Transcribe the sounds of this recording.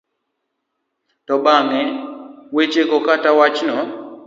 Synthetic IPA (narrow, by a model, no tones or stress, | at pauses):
tɔbaŋɛwet͡ʃekɔkatawat͡ʃnɔ